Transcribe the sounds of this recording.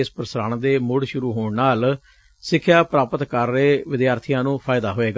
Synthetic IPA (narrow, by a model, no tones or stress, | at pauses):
spəɾəsəɾãːɳd̪eːmʊɽʃʊɾuːɦoːɳnaːl | sɪkʰːjaːpɾaːpət̪kəɾːeːʋɪd̪jaːɾt̪ʰijãːnũːpʰaːɪd̪aːɦoːeːɡa